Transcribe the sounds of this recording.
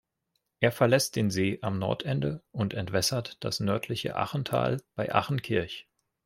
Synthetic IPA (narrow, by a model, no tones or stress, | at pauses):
ʔeːɐfɛɐlɛst̚d̥eːnzeːʔamnɔ̰ɐtʔɛndəʔʊntɛntv̥ɛsɐtd̥a̰snœɐtʰlɪçə̰ʔa̰χn̩tʰa̰ːlb̥aɪʔa̰χn̩kʰɪɐç